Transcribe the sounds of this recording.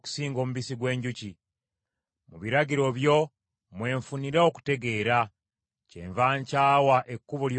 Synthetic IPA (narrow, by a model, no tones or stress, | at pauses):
ku̥siːŋɡo̞muβisiɡwe̞ːɲɟuci | muβiɾaɟiɾo̞βjo̞ | mwe̞ːɱfuniɾao̞ku̥te̞ɡe̞ːɾa | cḛːɱvaːɲcaːwaʔe̞kːuβoljo